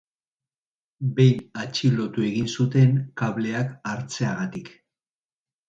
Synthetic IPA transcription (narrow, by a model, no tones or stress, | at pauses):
be̞jnat͡ʃilo̞t̪ue̞ɣinsut̪e̞ŋkaβle̞akaɾt͡se̞aɣat̪ik